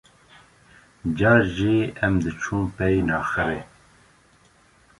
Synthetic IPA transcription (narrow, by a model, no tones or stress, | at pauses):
d͡ʒaːʒiɛmd̪ɨt͡ʃʰuːmpɛjnɑːxɨɾe